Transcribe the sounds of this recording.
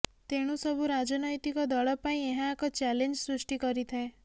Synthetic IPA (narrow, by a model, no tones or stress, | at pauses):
t̪eɽ̃ũsɔbʱuɾad͡ʒɔnɔjt̪ikɔd̪ɔɭɔpaĩeɦãːkɔt͡ʃɛlend͡ʒsɾusʈikɔɾit̪ʰae